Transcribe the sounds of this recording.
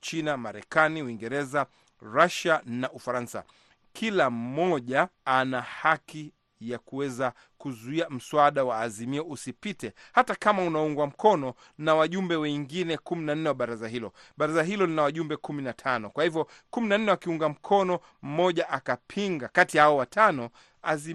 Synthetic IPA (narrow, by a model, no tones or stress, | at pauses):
t͡ʃinamaɾɛ̰kaniuiŋɡɛɾɛza | ɾaʃanaʔufaɾansa̰ | kʰilam̩mɔʄaanahaki | jakuwɛza | kuzuiam̩suaɗawaːzimiɔusipitɛhatakamaunauŋɡwam̩kʰɔnɔ | nawaʄumbɛwɛŋɡinɛkuminan̩nɛwaɓaɾazaɦilɔ̰ɓaɾazaɦilɔlinawaʄumbɛkuminatʰanɔkwahivjɔkuminan̩nɛwakiuŋɡam̩kʰɔnɔ | m̩mɔʄaʔakapʰiŋɡakatiahaɔwatʰanɔ | azi